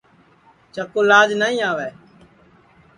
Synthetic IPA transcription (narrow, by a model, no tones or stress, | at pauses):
t͡ʃəkoːlaːd͡ʒnaːĩːaːʋɛː